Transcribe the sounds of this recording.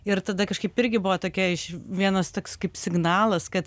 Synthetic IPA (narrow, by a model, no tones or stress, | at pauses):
ɪɾt̪ɐd̪ɐkɐʃkɐɪpɪɾʲɡʲɪbʊʋɐːt̪oːkʲɛɪʃʋʲiɛnɐst̪oːkskɐɪpsʲɪɡnɑːlˠɐskɐt̪